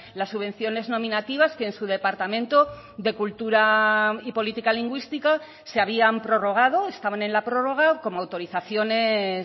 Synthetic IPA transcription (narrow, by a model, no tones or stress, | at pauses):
lasːuβe̞n̟θjo̞ne̞znõ̞mĩnat̪iβ̞askeːnsuð̞e̞paɾt̪amẽ̞nt̪o | ðe̞kult̪uɾaipo̞lit̪ikaliŋɡwist̪ika | seaβ̞iampɾo̞ro̞ɣ̞að̞o̞est̪aβane̞nlapɾo̞ro̞ɣ̞ako̞moawt̪o̞ɾiθaθjo̞ne̞